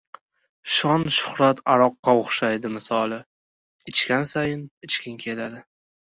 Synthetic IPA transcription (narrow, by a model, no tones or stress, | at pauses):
ʃɒnʃʊ̥χɾat̪ʰaɾɒqːɑoχʃajd̪ɪmɪsɒlˠɪ | ɪt͡ʃkʲansajɪnɪt͡ʃkʲɪŋkʲʰe̞lad̪ɪ